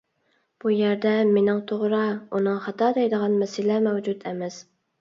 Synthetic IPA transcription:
b̥ujæɾd̪ɛmenɪŋt̪ʰoʁɾɑunɨŋχɑt̪ɑːd̪ɛjd̪əʁɑnmɛsɪlɛmɛwd͡ʒut̪ɛmɛs

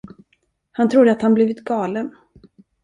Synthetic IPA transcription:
hant̪ʰɾuːd̪əat̪hanbliːvɪt̪ɡɑːlən

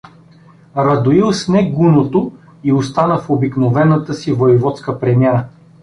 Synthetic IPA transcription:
ɾɐd̪oilˠsnɛɡunot̪o | iost̪anəfobiknovɛnət̪əsivoivɔt̪skəpɾɛmiɛɾə

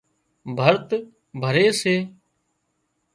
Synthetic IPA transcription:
bʱəɾt̪ | bʱəɾeːseː

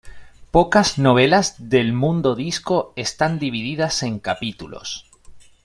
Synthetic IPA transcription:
po̞kazno̞β̞e̞lazðe̞lmũnd̪o̞ðisko̞est̪and̪iβ̞iðiðase̞ŋkapit̪ulo̞̰s

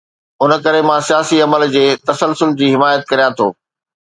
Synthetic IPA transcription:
ʊnkɐɾemãsijaːsiɐməld͡ʑeːt̪ɐsəlsʊld͡ʑiːɦɪmaːjət̪̚kɐɾijãt̪ʰo̰ː

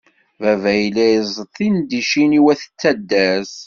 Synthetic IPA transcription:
vævæjlæjəzˤt̪ˤːind̪iʃiniwæθə̥t͡sːæd̪ːæs

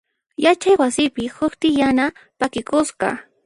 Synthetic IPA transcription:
jat͡ʃajwasɪpɪhʊkt̪ɪjanapakɪkʊsɢɑ̰

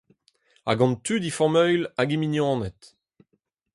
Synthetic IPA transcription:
a̰ɡɑ̃nt̪yd̪ifɔʁmœjlaɡiminjɑ̃ːnɛt̪

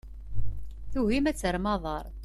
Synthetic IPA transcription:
θuɦimæt͡sːəɾmɑðˤɑɾˤ

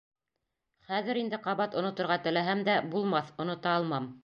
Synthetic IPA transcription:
χæðɘɾind̪ɘqɑβɑt̪ŏnŏt̪ŏɾʁɑt̪ɘ̆læɦæmd̪æbulˠmɑθŏnŏt̪ɑːlˠmɑm

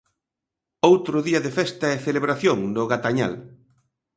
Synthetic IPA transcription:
owt̪ɾʊðiɐðefɛst̪ɐɛθeleβɾaθjoŋd̪ʊɣat̪aɲa̰l

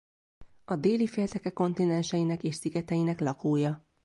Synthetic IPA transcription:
ɒd̪eːlifeːlt̪ɛkɛkːo̞nt̪inɛnʃɛjinɛkeːʃsiɡɛt̪ɛjinɛklɒkoːjɒ

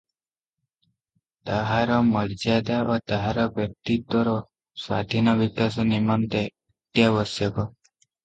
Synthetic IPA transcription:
t̪aɦaɾɔməɾd͡ʒad̪aʋat̪aɦaɾɔbjək̚t̪it̪wɔɾɔ | sad̪ʱinɔʋikasɔnimant̪e | t̪jaʋəsjɔkɔ

